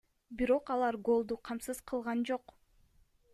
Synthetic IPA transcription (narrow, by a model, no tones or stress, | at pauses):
biɾo̞qɑlˠɑɾɡo̞lˠd̪uqʰɑmsɯz̥qʰɯlˠʁɑnd͡ʒo̞q